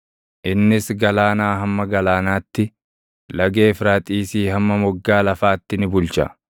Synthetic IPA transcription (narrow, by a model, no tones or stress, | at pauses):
ʔɪnːɪsɡɐlaːnaːɦɐmːɐɡɐlaːnaːt̪ːɪ | lɐɡe̞ːfɾaːt̪ʼiːsiːhɐmːɐmɔɡːaːlɐfaːt̪ːɪnɪbʊlt͡ʃɐ̰